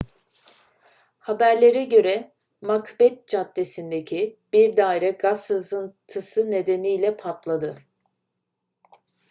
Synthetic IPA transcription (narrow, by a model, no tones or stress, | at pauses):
habæɾlʲe̞ɾɛɟø̞ɾɛ | makʰbɛt̪̚d͡ʒat̪ːe̞sind̪ecʰib̥iɾd̪aːiɾɛɡasːɯzɯnt̪ʰɯsɯne̞d̪e̞nijlʲɛpʰat̪lˠad̪ɯ